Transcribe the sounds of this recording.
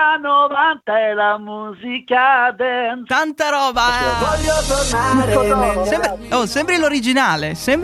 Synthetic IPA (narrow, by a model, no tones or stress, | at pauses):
anovant̪aɛlamuːzikad̪ɛnt̪ant̪aɾɔːbavɔʎːot̪ornaɾsɛmpɾɔsɛmbɾeloɾid͡ʒinaːlesɛmp